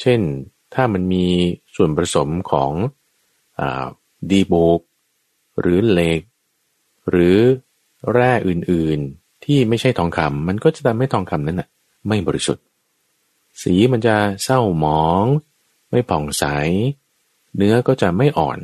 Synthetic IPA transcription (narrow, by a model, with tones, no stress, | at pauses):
t͡ɕʰe˥˩n | t̪ʰaː˥˩ma˧nmiː˧su˨˩ənpɾa˧so˩˦mkʰɔ̰ː˩˦ŋ | ʔa̰ː˨˩ | diː˧boː˨˩k̚ | ɾɯː˩˦le˨˧˩k̚ | ɾɯː˩˦ | ɾɛː˥˩ʔɯː˨˩nʔɯː˨˩n | t̪ʰiː˥˩ma˥˩jt͡ɕʰa˥˩jt̪ʰɔː˧ŋkʰa˧mːa˧nkɔː˥˩t͡ɕa˨˩t̪ʰa˧mːha˥˩jt̪ʰɔː˧ŋkʰa˧mna˦˥nʔa˨˩ | ma˥˩jbɔː˧ɾi˦sṵ˨˩t̪̚ | siː˩˦ma˧nt͡ɕa˨˩sa˥˩wmɔː˨˩˦ŋ | ma˥˩jpʰɔː˨˩ŋsa˩˦j | nɯ˦˥ɐkɔː˥˩t͡ɕa˨˩ma˥˩jʔɔ̰ː˨˩n